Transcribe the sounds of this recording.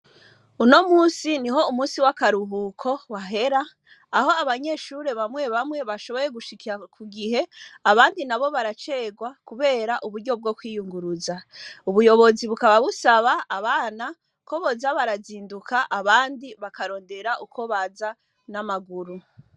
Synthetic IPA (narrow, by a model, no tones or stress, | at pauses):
uno̞muːnsiniɦo̞umuːnsiwakaɾuɦukʰo̞waɦe̞ɾaː | ɦo̞aβaɲe̞ːʃuɾe̞βamŋe̞βamŋwe̞βaʃo̞βo̞ɾe̞ɡuʃikiɾakʰuɡiɦe̞aβaːndinaβo̞βaɾat͡ʃe̞ːɡwakuβe̞ːɾaʔuβuɾɟo̞b̚ɡo̞kwiːjuŋɡuɾuzauβujo̞βo̞ziβukaβaβusaβaːβaːna | ko̞βozaβaɾaziːndukʰaʔaβaːndiβakaɾo̞ːnde̞ɾaʔukʰo̞βaza | namaɡuɾu